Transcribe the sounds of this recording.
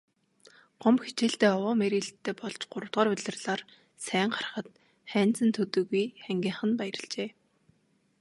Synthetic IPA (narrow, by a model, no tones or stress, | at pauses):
ɢ̥ɔmpxit͡ɕeːɬt̪eːɔwɔːmeɾiɮt̪ʰːeːpɔɮt͡ɕɢʊɾə̆t̪ʁɔːrʊɮʲɪ̆rɮaːr | sæːŋɢarə̆χə̆t̪ | χæːn̥t͡sɘ̆nt̪ʰɵt̪ɵ̆ɣujχæŋɡʲiːɴχə̆npæjɾə̆ɮt͡ɕeː